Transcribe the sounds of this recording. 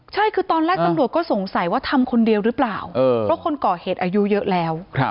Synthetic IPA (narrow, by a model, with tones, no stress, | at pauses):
t͡ɕʰa˥˩jkʰɯː˧t̪ɔː˧nɾɛː˥˩k̪̚a˧mɾu˨˩ət̪̚kɔː˥˩so˩˦ŋsa˨˩˦jwaː˥˩t̪ʰa˧mkʰo˧ndi˧əwɾɯː˦˥plaː˨˩wʔɤː˧ɾɔ˦˥kʰo˧nkɔː˨˩heː˨˩t̪̚ʔaː˧ju˦˥jɤ˦˥ʔlɛː˦˥wʰ